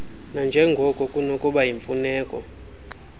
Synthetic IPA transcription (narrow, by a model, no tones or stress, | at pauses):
nand͡ʒʱɛŋɡʱɔkʼɔkʼunokʼuɓajiɱfunɛːkʼɔ